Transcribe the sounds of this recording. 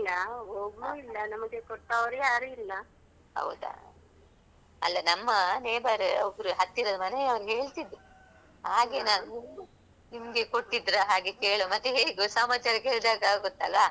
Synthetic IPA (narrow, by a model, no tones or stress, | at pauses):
ilːɐɦoːɡuilːɐnɐmɐɡekɔɽʈːaʋɐɾujaːɾuilːɐ | hɐ̰wd̪a̰ | ɐ̰lːɐnɐmːɐneːbɐɾɔbɾuɦɐt̪ːiɾod̪mɐneɐʋɐɾuɦe̞ːɭt̪id̪ːu | haːɡe̞naːnu | nimɐɡekoɽʈːid̪ːɾaɦaːɡekeːɭomɐt̪ːeɦeːɭɡusaːmat͡ʃaɾɐkeːɭd̪aːɡaɡot̪ːɐlːɐ